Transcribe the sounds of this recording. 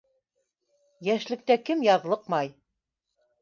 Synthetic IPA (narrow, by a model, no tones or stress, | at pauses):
jæʃlɘ̆k̚t̪ækɘmjɑðlˠɤqmɑj